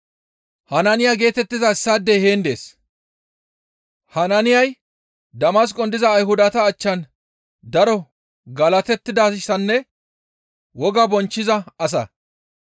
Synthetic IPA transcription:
hɐnɐnɪjaɡe̞ːt̪ɛt̪ːɪzɐɪsːad̪eheːnd̪ḛːs | hɐnɐnɪjɐj | d̪ɐmɐs̬kʼɔnd̪ɪzɐːjɦʊd̪ɐt̪ɐːt͡ʃːɐn | d̪ɐɾɔ | ɡɐlɐt̪ɛt̪ːɪd̪asɪsɐnːɛ | wɔɡɐbɔnt͡ʃːɪzɐɐs̬ɐ̰

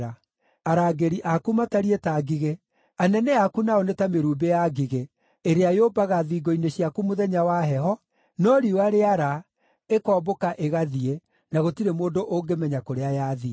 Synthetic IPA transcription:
ɾa | aɾaːɡeɾiʔakumataɾietaɡiɣe | anɛnɛakunaonetameɾuːbejaɡiɣe | eɾeajobaɣaðiːɡɔineɕiakumoðɛɲawaɦɛɦɔ | nɔɾiwaɾeaɾa | ekɔːbokaʔeɣaðie | naɣotiɾemoːndoʔoŋɡemɛɲakoɾeajaːði

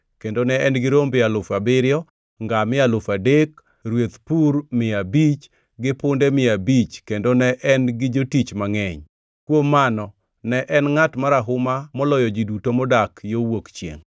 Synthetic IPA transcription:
kendonɛɛnɡɪɾombɪalʊfabɪɾɪjɔ | ŋɡamɪalʊfadek | ɾwet̪purmɪabit͡ʃ | ɡɪpʊndɛmɪabit͡ʃkendonɛʔɛnɡɪd͡ʒotit͡ʃmaŋɛɲ | kwomːanɔ | nɛʔɛnŋatmaɾaɦʊmamɔlɔjɔd͡ʒidutomɔdakjowokt͡ʃjḛŋ

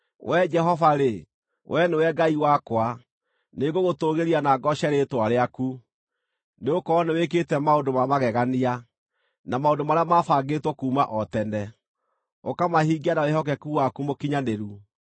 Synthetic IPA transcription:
wʔɛd͡ʒɛɦɔvaɾe | wʔɛnewɛɡaiwakwa | neɡoɣotoɣeɾianaɡɔʃɛɾetwaɾeaku | neokɔːneweketɛmaondomamaɣɛɣania | namaondomaɾeamafaːɡetwɔkuːmaʔɔtɛnɛ | okamahiːɡianawehɔk̬ɛkuwakumokiɲaneɾu

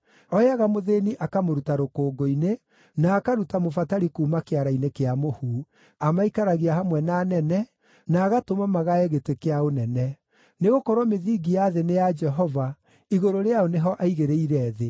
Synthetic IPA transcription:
ɔjaɣamoðeniʔakamoɾutaɾokoːɡoine | naːkaɾutamofataɾikuːmakeaɾainekeamohuː | amaikaɾaɣiaɦamwɛnaːnɛnɛ | naːɣatomamaɣaɛɣetekeaonɛnɛ | neɣokɔɾwɔmeðiːɡijaðenejad͡ʒɛɦɔva | iɣoɾoɾeaoneɦɔʔaiɣeɾeiɾɛːðe

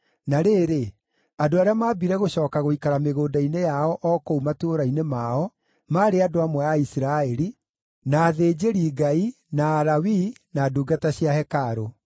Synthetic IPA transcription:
naɾeːɾe | adoaɾeamaːbiɾɛɣoɕɔːkaɣoikaɾameɣoːdainejaɔʔɔːkoumatoːɾainemaɔ | maːɾeadoamwɛaisɾaɛɾi | naːðeːd͡ʑeɾiːɡai | naːɾawi | naduːɡataɕjahɛkaɾo

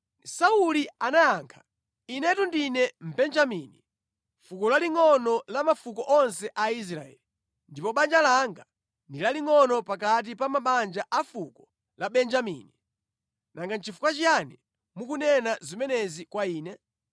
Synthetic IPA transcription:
saulianajaːŋkʰḁ | inɛtundinɛm̩bɛnd͡ʒamini | fukɔlaliŋɔnɔlamafukɔʔɔnsɛʔais̬ɾa̰ɛ̰li | ndipɔɓand͡ʒalaŋɡa | ndilaliŋɔnɔpak̬at̬ipamaɓand͡ʒaʔafukɔ | laɓɛnd͡ʒamḭːni | naŋɡant͡ʃʰifu̥kwat͡ʃijani | mukunɛnazimɛnɛzikwaiːnɛ

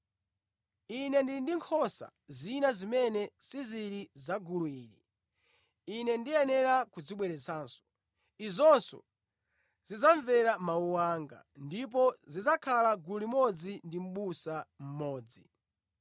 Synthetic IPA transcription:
inɛndindiŋkʰɔsa̰zinazimɛnɛsiziɾizaɡuluiːɾi | inɛndiɛnɛɾakud͡ziɓwɛɾɛt͡sʰaːnsɔ̥ | izɔnsɔ̰ | zizaɱvɛɾamauwaːŋɡa̰ndip̬ɔzizakʰalaɡuulimɔd͡zindim̩ɓusam̩mɔːd͡zi

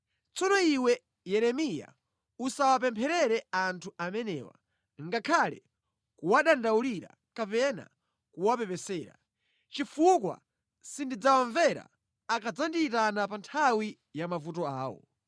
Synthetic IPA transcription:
t͡sɔnɔiwɛ | jɛɾɛmija̰ | usawapɛmpʰɛɾɛɾɛantʰuʔamɛnɛːwa̰ | ŋɡakʰalɛ̰ | kuwaɗandauliɾa̰ | kapɛna̰ | kuwapɛpɛsɛːɾa̰ | t͡ʃifukwa̰ | sindid͡zawaɱvɛɾa̰ː | kad͡zandiːtanapantʰawi | jamavutɔaːwɔ̰

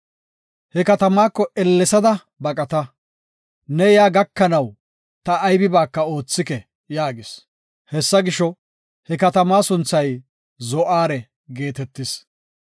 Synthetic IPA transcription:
hɛkɐt̪ɐmaːkːɔʔɛlːɛsɐd̪ɐ | bɐkʼɐt̪ɐ | nɛjaːɡɐkːɐnɐw | t̪ɐːjbɪbaːkːɐo̞ːt͡sːɪkɛ | jaːɡɪs | hɛsːɐɡɪʃɔ | hɛkɐt̪ɐmaːsʊnt͡sːɐj | zɔʔaːɾɛ | ɡe̞ːt̪ɛt̪ːɪs

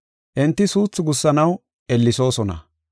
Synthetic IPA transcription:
ʔɪnt̪ːɪsuːt͡sːʊɡʊsːɐnɐw | ʔɛlːɪso̞ːsɔnɐ̰

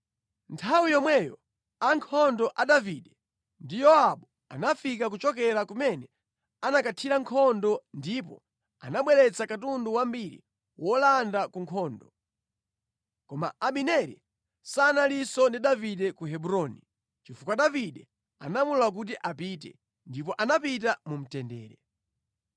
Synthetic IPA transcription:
ntʰawijɔmwɛjɔ̰ | aŋkʰɔndɔʔaɗaviɗɛ | ndijɔaɓɔ | a̰nafikak̬ut͡ʃɔk̬ɛɾakumɛnɛ | anakatʰiɾaŋkʰɔndɔndipɔ̰ | a̰naɓwɛɾɛt͡sakatunduwambiɾḭ | wɔlandakuŋkʰɔːndɔ | kɔma̰aɓinɛɾḭ | sanalisɔndiɗaviɗɛkuɦɛbuɾɔni | t͡ʃifukwaɗaviɗɛ | a̰namululak̬ut̬iʔapitɛ̰ | ndip̬ɔʔanapit̬amum̩tɛndɛ̰ːɾɛ

